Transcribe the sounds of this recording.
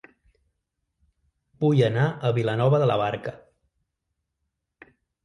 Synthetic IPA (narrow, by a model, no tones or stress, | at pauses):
b̥ujənaəβilənɔβəðələ̰βaɾkə